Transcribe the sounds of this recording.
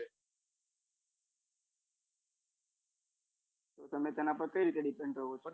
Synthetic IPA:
t̪ot̪əmẽt̪enapəɾkəiɾit̪eɖipẽɳɖoot͡ʃʰ

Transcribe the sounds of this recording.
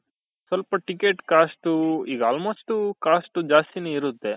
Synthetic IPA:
sʋɐlpɐʈikeːʈkaːsʈuiːɡɐaːlmoːsʈukaːsʈud͡ʒaːst̪ineiɾut̪ːe

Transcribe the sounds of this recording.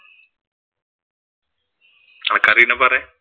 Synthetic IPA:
akaɾinabaɾɛ

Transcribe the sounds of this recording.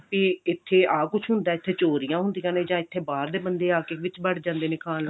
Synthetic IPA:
piːɪt̪ʰːeːaːkʊt͡ʃʰɦʊnd̪aːɪt̪ʰːeːt͡ʃoːɾijãːɦʊnd̪ijãːnẽːd͡ʒãːɪt̪ʰːeːbaːɾd̪eːbənd̪eːaːkeːʋɪt͡ʃbəɽd͡ʒãːnd̪eːnɪkaːl

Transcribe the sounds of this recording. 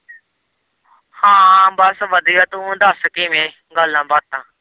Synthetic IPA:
hãːbəsʋəd̪iːat̪ũũnd̪aːsəkeːmẽ | ɡəlːãːbaːt̪̚t̪ːãː

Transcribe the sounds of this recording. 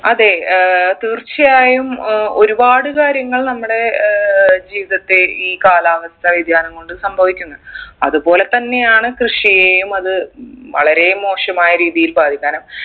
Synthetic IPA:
ɐðe̞t̪iːrt͡ɕːijaːjumo̞ɾubaːɽɨkaːɾjɐŋːɐɭnɐmːuɽe̞ | d͡ʑiːʋiðɐt̪ːeiːkaːlaːʋɐst̪ɐʋid̪ʱjaːnɐŋkoɳɖɨsɐmbʱɐʋikʲːuŋːɐɐ̰ðubo̞ːle̞t̪ɐnːe̞jaːɳɨkrɨʂijejumɐðɨʋɐ̰ɭɐɾe̞mo̞ːʂɐmaːjɐɾiːðijilbaːd̪ʱikʲːaːnum

